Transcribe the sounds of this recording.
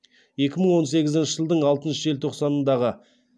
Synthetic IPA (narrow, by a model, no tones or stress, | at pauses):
je̞kʲɪməɴwo̞nse̞ɡʲɪzɪnʃəʒəlˠd̪əɴɑlˠt̪ənʃəʒe̞lt̪ʰo̞qsɑnənd̪ɑʁə